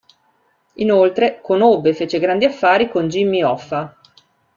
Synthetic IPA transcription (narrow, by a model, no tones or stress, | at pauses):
inolt̪ɾekonobːefeːt͡ʃeɡɾand̪iafːaːɾikond͡ʒimːiɔfːa